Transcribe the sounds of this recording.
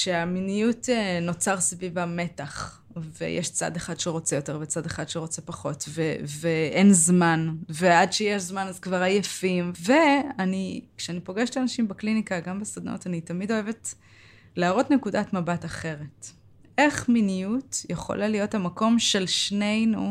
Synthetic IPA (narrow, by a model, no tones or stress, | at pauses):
ʃeaminijuteno̞t͡saʁsavivame̞taχ | vḛjʔḛʃt͡sa̰deχadʃeʁo̞t͡sejo̞te̞ʁvet͡sadeχad̪ʃeʁo̞t͡sepaχo̞tveveʔenzmanveadʃejeʃzmanazkvaʁajefimve̞anikʃeanipo̞ɡeʃtlanaʃimbeklinikaɡambesad̪no̰tanitamido̞eve̞t | leːʁo̞tnekudatmabataχe̞ʁe̞t | ʔe̞χminijutjeχo̰lalijo̞thamako̞mʃe̞lʃne̞jnu